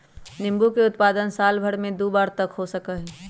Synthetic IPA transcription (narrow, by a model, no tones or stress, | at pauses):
nɪ̃mbukeʊt̪paːd̪ənsaːlbʱəɽmẽd̪uːbaːɾt̪ɐkɦosəkəɦɛ